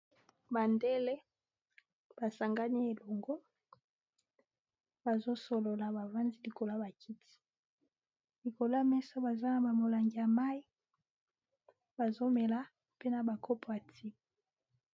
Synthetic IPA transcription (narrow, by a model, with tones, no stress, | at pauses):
ba˨nde˦le˦ | b̥a˨sa˨ŋɡa˦ni˦e˨lo˨ŋɡo˦ | ba˨zo˦so˨lo˨la˨ba˨va˦ndi˦li˨ko˨la˦ba˨kʰi˦ti̥˨ | li˨ko˨la˦mɛ˦so˦ba˨za˦na˨ba˨mo˨la˨ŋɡi˨ja˨ma˦i˦ | ba˨zo˦me˨la˦ | pe˦na˨ba˨kʰo˦po˨ja˨tʰi˦m˨